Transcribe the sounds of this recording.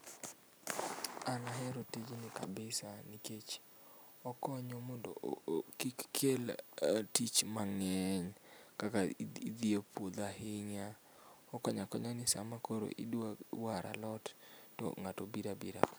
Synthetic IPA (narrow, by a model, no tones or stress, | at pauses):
anaɦɛɾotid͡ʒnɪkabɪsaniket͡ʃ | ɔkɔɲɔmɔndo̰kikːʰeltit͡ʃmaŋɛɲkakaid̪iopwod̪ahɪɲa | ɔkɔɲakɔɲanɪsa̰makoɾo̰ʔḭdwawaɾʔa̰lɔtːɔ̰ŋatobiɾabiɾa̰k